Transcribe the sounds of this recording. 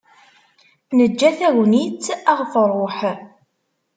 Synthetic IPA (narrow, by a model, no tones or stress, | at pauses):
nəd͡ʒːæθæwnit͡sːæʁfərˤːoħ